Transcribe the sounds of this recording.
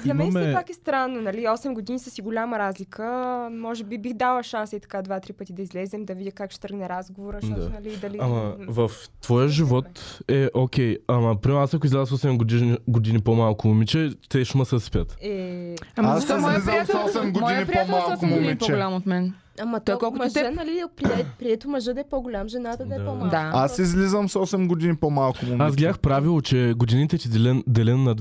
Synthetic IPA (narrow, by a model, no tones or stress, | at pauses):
ziɐmɛɐnmɛɛpakɛst̪ɾanːonɐliɔsɛmɡod̪inisəsiɡolʲamɐɾazlikʰəmɔʒɛbibixd̪alˠəʃansəit̪ɐ̥kad̪vat̪ɾipət̪id̪ɐizlɛzɛmd̪ɐvid̪ʲəkakʃɛ̥t̪əɾɡnɛɾazɡovoɾəʃt̪ɔd̪tnɐlid̪ɐliamɐvɐft̪vɔjəʒivvɔt̪ɛʔokʲɛjamɐpɾimɛasɐkʊizlɛzəsɔsɛmɡoiɡod̪inipomalˠkʊmumit͡ʃɛt̪ɛʃuməsɐspʲət̪ɛ | aszizəmɔsɛmɡoinipɾɔmalˠkʊmumɛt͡ʃɡʊlʲamot̪mɛn | amɐt̪ɔkɔlˠkʊmʒt̪nɐlipɾiɛpɾiɛt̪omɐʒəd̪ɐɛpoɡʊlʲamʒɛnat̪ɐd̪ɐɛɔd̪aasizlizəmsɔsɛmɡod̪inipomalˠkʊmumasɡʲaxpɾavilˠot͡ʃɛɡod̪init̪ɛt̪id̪ɛlɛnd̪ɛlɛnːɐd̪